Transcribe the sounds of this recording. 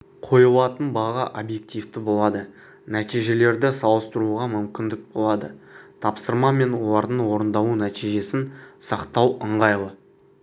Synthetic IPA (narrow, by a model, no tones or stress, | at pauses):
qʰo̞jəlˠɑt̪ənbɑʁəʔobje̞kt̪ijft̪ɪbo̞lˠɑd̪ə | næt̪ijʒe̞le̞ɾd̪ɪsɑlˠəst̪əɾuʁɑmʏmkʲɪnd̪ɪk̚bo̞lˠɑd̪ə̰t̪ʰɑpsəɾmɑme̞nwo̞lˠɑɾd̪əɴwo̞ɾənd̪ɑwunæt̪ijʒe̞sɪnsɑqt̪ɑwəɴʁɑjlˠə